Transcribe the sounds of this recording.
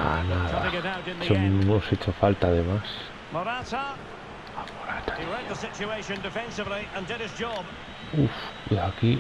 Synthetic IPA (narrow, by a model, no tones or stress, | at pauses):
a̰naða̰ɡɛɾaʊtɪ̃nðt͡ʃionoset͡ʃofalt̪aðemas | mɔɾatə | amoɾat̪ḁiɹɛd̪̚ðəsɪt͡ʃueɪʃə̃ndɪfɛ̃nsɪvliə̃ndɪɾɪz̥d͡ʒɔb | ufeaki